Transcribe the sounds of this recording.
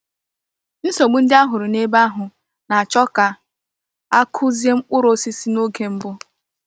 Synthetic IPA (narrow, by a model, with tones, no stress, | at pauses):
n̩˦so˨ɡ͡bu˦n̩˦dɪ˦a˦ɦʊ˨ɾʊ˨ne˦ba˦ɦʊ˨ | na˨a˨t͡ʃɔ˦ka˨ | a˦kʰʊ˦zi˦e˦m̩˦k͡pʊ˦ɾo˦si˦si˦no˦ke˨˦m̩˦bʊ˦